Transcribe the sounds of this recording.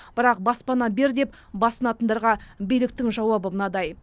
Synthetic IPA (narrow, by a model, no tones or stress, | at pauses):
b̥ɪɾɑq̚bɑspɑnɑbe̞ɾd̪e̞p | bɑsənɑt̪ənd̪ɑɾʁɑbijlɪk̚t̪ɪŋʒɑwɑbəmənɑd̪ɑj